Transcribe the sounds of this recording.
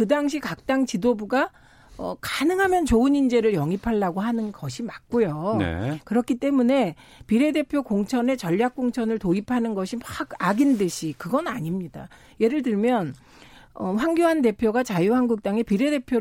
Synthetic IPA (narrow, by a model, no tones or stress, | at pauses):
kɯdaŋɕ̬ʰikak̚t͈aŋt͡ɕidobuɡa | ʌ̰kanɯŋɦamjʌnt͡ɕoɯnind͡ʑe̞ɾɯɭjʌŋipʰaɭːaɡoɦanɯnɡʌɕʰimak̚k͈ojoḛkɯɾʌkʰit͈e̞mune̞piɾe̞de̞pʰjokoŋt͡ɕʰʌne̞t͡ɕʌʎːjak̚k͈oŋt͡ɕʰʌnɯɭtoipʰanɯnɡʌɕʰimaɡaɡindɯɕʰikɯɡʌnaɲimɲida | je̞ɾɯɭtɯɭmjʌn | ʌɸwaŋɡjoɦand̬e̞pʰjoɡat͡ɕajuhanɡuk̚t͈aŋe̞piɾe̞de̞pʰjo